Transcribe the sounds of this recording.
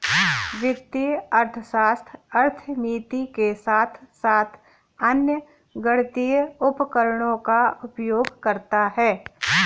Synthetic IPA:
ʋɪt̪ːiɐɾt̪ʰəʃaːst̪ʰɐɾt̪ʰəmiːt̪ikesaːt̪ʰsaːt̪ʰ | ɐnjə | ɡəɽt̪ijʊpkəɾɳõkaʊpjoːɡkɐɾt̪aɦɛː

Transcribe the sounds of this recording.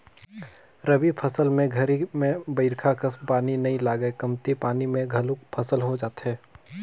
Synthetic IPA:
ɾɐbipʰɐsəlmẽɡʱɐɾimẽbəɪɾkʰakɐspaːninɐɦĩlaːɡəekɐmt̪ipaːnimẽɡʱɐlʊk̚pʰɐsəlɦod͡ʒaːt̪ɦɛː

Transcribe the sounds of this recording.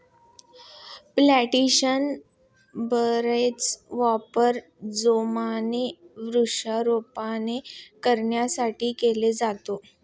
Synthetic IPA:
plæʈiɕən | bəɾet͡sʋapəɾ | d͡zomaneʋɾuʂaɾopanekəɾɳjasaʈiːkeled͡zat̪o

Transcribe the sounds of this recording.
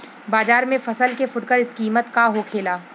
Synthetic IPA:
baːzaːɾmẽfɐsəlkefʊʈkəɾɪskiːmət̪kaɦokʰeːlaː

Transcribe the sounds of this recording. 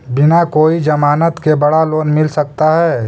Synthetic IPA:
bɪnakoːid͡ʒɐmaːnət̪kebɐɽaloːnmɪlsək̚t̪aɦɛː

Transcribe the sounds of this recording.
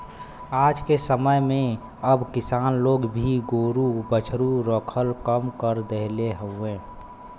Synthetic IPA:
aːd͡ʒkesəməjmẽ | əbkɪsaːnloːɡbʱiɡoːɾubət͡ʃʰɾuɾɔkʰəlkəmkəɾd̪eɦleɦəẽː

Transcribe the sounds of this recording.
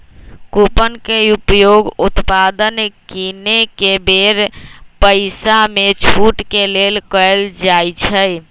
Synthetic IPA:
kupənkeupjoɡut̪pad̪ənkinekebeɾpəɪsamet͡ʃʰuʈkelelkəld͡ʒajt͡ʃʰəj

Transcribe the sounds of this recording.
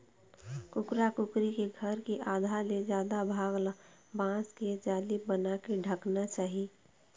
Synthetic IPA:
kʊkɾakʊkɾikeɡʱəɾkiʔaːd̪ʱaled͡ʒjaːd̪abʱaːɡla | bãːsked͡ʒaːlibənakeɖʱəknat͡ʃaːɦi

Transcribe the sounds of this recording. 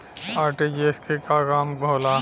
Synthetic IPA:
aːɾʈed͡ʒeskekaɣaːmbʱoːla

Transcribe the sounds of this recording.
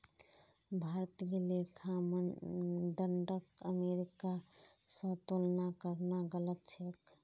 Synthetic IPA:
bʱaɾət̪ɡelekʰamə | d̪əɳɖəkəmeɾika | sə̃t̪olnakəɾnaɡələt̪̚t͡ʃʰek

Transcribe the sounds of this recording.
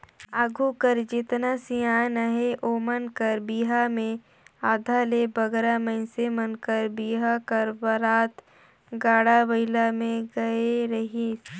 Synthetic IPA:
aːɡʱukəɾd͡ʒɪt̪nasijaːnəɦeʔoːmənkəɾbiːɦamẽ | aːd̪ʱaːlebəɡɾamə̃ɪsemənkəɾbiːɦakəɾbəɾaːt̪ | ɡaːɽabɐɪlamẽɡɐeɾɐɦi

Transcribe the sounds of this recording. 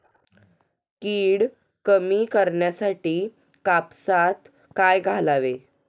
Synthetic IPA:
kiːɽ | kəmiːkəɾɳjasaʈiː | kapsat̪ | kajɡʱalaʋe

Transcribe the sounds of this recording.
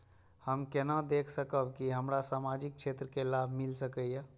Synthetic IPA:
həmkenad̪ekʰsəkəbkiɦəmɾasamad͡ʒik̚t͡ʃʰet̪ɾəkelabʱmilsəkəjjə

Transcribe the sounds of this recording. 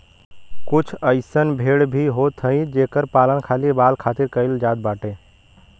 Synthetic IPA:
kʊt͡ʃʰəɪsənbʱeːɽbʱiɦot̪ʰɦə̃ĩd͡ʒeːkəɾpaːlənkʰaːlibaːlkʰaːt̪iɾkəɪld͡ʒaːd̪̚baːʈẽ

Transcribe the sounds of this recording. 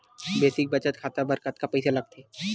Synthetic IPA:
beːsɪk̚bɐt͡ʃət̪kʰaːt̪abɐɾkət̪̚kapɛjsalɐɡ̚t̪ʰeː

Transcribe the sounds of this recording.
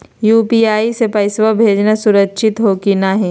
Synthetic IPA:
juːpiaːisepɐɪsʋabʱeːd͡ʒnasʊɾəkːʃʰɪt̪ɦoːkinaɦɛ̃ː

